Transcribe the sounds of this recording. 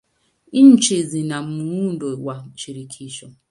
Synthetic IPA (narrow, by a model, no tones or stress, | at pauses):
in̩t͡ʃezinam̩muudowat͡ʃiɾikʰiʃɔ